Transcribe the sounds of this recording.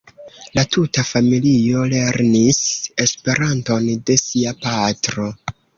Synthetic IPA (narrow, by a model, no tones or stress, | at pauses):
latutafamilio̞le̞ɾnise̞spe̞ɾanto̞nde̞siapatɾo̞